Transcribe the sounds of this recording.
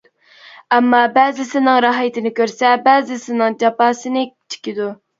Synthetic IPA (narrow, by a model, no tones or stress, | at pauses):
ɛmːɑbɛːzɪsɪnɨŋɾɑɦjɪt̪ʰɪnɪkʲøɾsɛbæːzɪsɪnɨŋd͡ʒɑpɑːsɨnɪkʲt͡ʃʰi̥kʲid̪u